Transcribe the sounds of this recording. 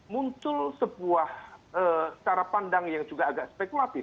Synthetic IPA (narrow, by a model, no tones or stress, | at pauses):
muɲt͡ʃʊlsəbuahʔə̥t͡ʃaɾapandaŋjaŋd͡ʒuɡaːɡaʔspekulat̪ɪf